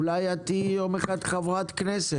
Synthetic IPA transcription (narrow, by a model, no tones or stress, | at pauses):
lajat̪ijomeχad̪χavʁat̪knɛse